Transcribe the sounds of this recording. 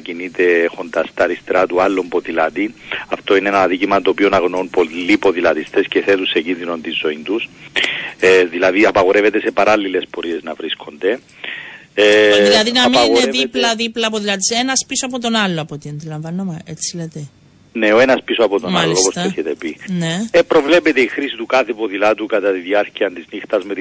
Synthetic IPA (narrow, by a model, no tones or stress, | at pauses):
cinit̪e̞xo̞nd̪ɐst̪ɐɾist̪ɾɐt̪ualːompo̞ðilɐt̪iɐft̪o̞ineenɐðicimɐt̪o̞ːpionɐɣnounpo̞lːipo̞ðilɐt̪ist̪e̞sce̞θe̞t̪usːeɟinðino̞nt̪inzo̞int̪us | ðilɐðiɐpɐɣo̞ɾe̞ve̞t̪e̞se̞pɐɾɐlːile̞spo̞ɾie̞znɐvɾiskʰo̞nd̪e̞ | ðilɐðinɐmiɐneðiplɐðiplɐpoðilɐt̪̬isenɐspisoɐp̬ot̪o̞nɐlːoɐpot̪iɐnd̪ilɐɱvɐnːomeet͡sːilet̪e | ne̞oe̞nɐspisoɐpot̪omnalːioopost̪eçet̪epinepɾo̞vle̞pet̪e̞ixɾisit̪ukɐθepoðilɐt̪ukɐt̪ɐt̪iðiɐɾciɐnt̪iznixt̪ɐzme̞t̪i